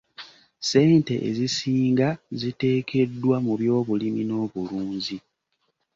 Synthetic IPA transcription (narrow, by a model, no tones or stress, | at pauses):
se̞ːnte̞̰ʔḛzisiːŋɡazite̞ːkʰe̞dːwamuβjo̞ːβulimino̞ːβuluːɲzi